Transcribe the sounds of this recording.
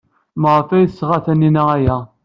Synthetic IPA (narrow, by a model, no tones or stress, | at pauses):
məʁəfæjəsːʁæθæninææjæ